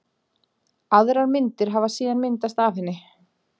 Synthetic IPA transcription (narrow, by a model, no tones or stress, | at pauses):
aðɾaɾmɪnt̪ɪɾ̥ɦavasiːðanmɪnt̪ast̪aːfɪnːɪ